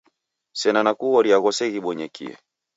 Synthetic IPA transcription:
sɛnanakuɔɾiaɣɔsɛɣiɓɔɲɛkḭɛ̰

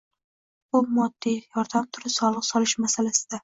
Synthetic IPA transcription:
ʊmɒd̪ːijɒɾd̪amt̪ʰʊɾɪsɒlˠɨqsɒlɪʃmasalasɪd̪̥a

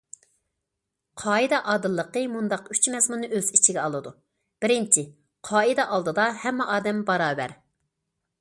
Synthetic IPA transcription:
qʰɑːid̪ɛʔɑːd̪ɨlˠːəqəmund̪ɑqy̥t͡ʃmɛzmunːɨʔøzit͡ʃʰiɡʲɛɑlˠɨd̪u | b̥ɪɾɪnt͡ʃʰi | qʰɑːid̪ɛʔɑlˠd̪ɨd̪ɑhɛmːɛʔɑːd̪ɛmbɑɾɑːbæ̰ɾ

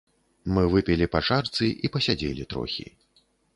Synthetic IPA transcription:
mɨvɨpʲɛlʲipaʂart̪sɨʔipɐsʲad͡zʲelʲit̪ɾɔ̰xʲḭ

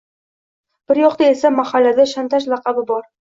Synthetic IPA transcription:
b̥ɪɾjɒqt̪aesamahalːad̪aʃant̪ʰaʃlɑqɑbɪbɒɾ

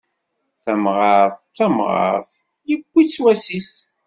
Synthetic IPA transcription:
θæmʁɑɾθt͡sːæmʁɑ̰ɾθ | jəb̥ʷːit͡sːwæsis

